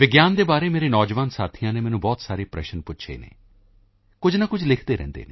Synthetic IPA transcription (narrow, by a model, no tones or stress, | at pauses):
ʋɪɡjaːnd̪eːbaːɾeːmeːɾeːnɔːd͡ʒʋaːnsaːt̪ʰijãːneːmɛ̃ːnũːbɔːt̪saːɾeːpɾɛ̰ːʃənpʊtːʃʰḛːnḛː | kʊd͡ʒnãːkʊd͡ʒʰʱlɪkʰd̪eːɾɛ̰̃ːnd̪ḛːneː